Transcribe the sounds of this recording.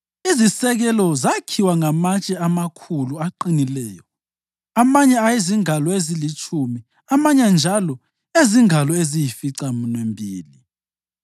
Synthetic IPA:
izisɛɣɛlɔzakʰiwaŋamat͡ʃʼɛamakʰuluaǃinilɛːjɔ | amaɲɛajeziŋalɔezilit͡ʃʼʰumi | amaɲand͡ʒʱalɔ | eziŋalɔezijifiǀamunwembʱiːli

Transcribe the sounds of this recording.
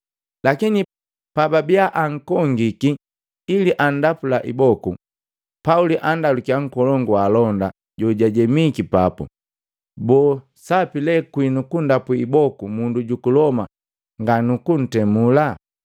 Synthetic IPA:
lakini | pababiaʔaŋ̩kɔŋɡikiː | liʔan̩dapulaʔibɔku | pauliʔandalukiaŋ̩kɔlɔŋɡualɔnda | ɟɔɟaɟɛmikipapṵ | bɔː | sapilɛkwinukundapuibɔkumunduɟukulɔma̰ | ŋɡanukun̩tɛmula

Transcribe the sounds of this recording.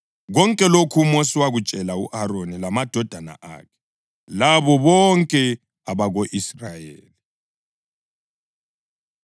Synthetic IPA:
ɣɔŋkʼɛlokʰumosiwaɣut͡ʃʼɛlaṵʔaɾonilamad̥ʱɔd̥ʱana̰ʔa̰kʰɛ̥ | laβɔβɔŋkʼɛ | aβaɣoʔisrajeːli

